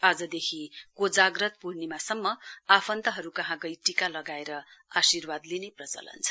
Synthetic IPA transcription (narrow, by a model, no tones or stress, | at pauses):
ad͡zʌd̪ekʰikod͡zaɡrʌt̪̚puɾnimasʌmːʌapʰʌnt̪ʌɦʌɾukʌɦãɡʌjʈikalʌɡaeɾʌasirwad̪lineprʌt͡sʌ̰lʌ̰nt͡sʰʌ̥